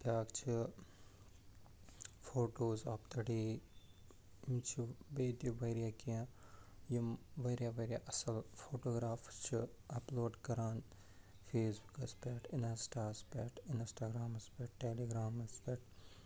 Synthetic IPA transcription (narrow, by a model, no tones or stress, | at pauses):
t̪aːkt͡ʃʰi | fʰoːʈoːzaːpt̪ɐɽiː | jimt͡ʃʰibeːt̪iʋɐɾijakiãjimʋeɾijaʋeɾja̰ʔɐsɐlfʰoːʈoːɡɾaːfst͡ʃʰi | ɐploːɖkɐɾaːn | fʰeːsbukɐspeːʈɪnɐsʈaːspeːʈɪnsʈaːɡɾaːmɐspeːʈ̚ʈeːliɡɾaːmɐspeʈ̚